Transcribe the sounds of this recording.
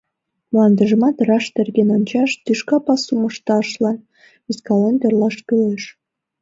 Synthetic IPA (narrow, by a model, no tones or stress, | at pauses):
mlɑnd̪əʒə̆mɑt̪rɑʃt̪erɣenont͡ɕɑʃt̪yʃkɑpɑsumə̆ʃt̪ɑʃlɑn | iskɑlent̪erlɑʃkyleʃ